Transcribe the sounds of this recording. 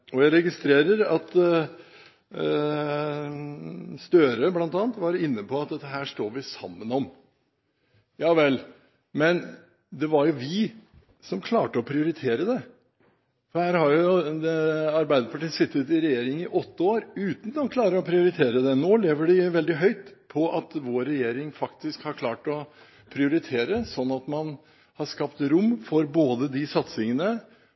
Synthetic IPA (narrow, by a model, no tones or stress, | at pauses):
ɔjæɪɾɛɡɪst̪ɾeːɾəɾɑt̪ | st̪øːɾəblɑnt̪ɑːnt̪ʋɑɾɪnːəpʰɔɑt̪̚d̪ɛt̪ːəɦæːʂʈoːɾʋɪsɑ̰mːənɔm | jɑːʋɛlː | mɛn | d̪ɛʋɑɾjʊʋɪ | sɔmkʰlɑːʈəɔpʰɾɪʊɾɪt̪ʰeːɾəd̪ɛ | fɔɾhæːɾhɑɾjʊd̪ɛɑɾbæɪd̪əɾpʰɑʈiːsɪt̪ːət̪ɪɾɛjeːɾɪŋɪʔɔt̪ːəoːɾʉːt̪n̩d̪ɔnkʰlɑːɾəɾɔpʰɾɪʊɾɪt̪ʰeːɾəd̪ɛnoːleːʋəɖɪʋɛld̪ɪɦœʏt̪pʰɔʔɑt̪ʋoːɾɛjeːɾɪŋfɑkt̪ɪskhɑɾkʰlɑːʈɔ | pʰɾɪʊɾɪt̪ʰeːɾəsɔnːɑt̪mɑn | hɑʂkɑpt̪ɾʊmːfɔɾboːd̪əd̪ɪsɑt̪sɪŋənə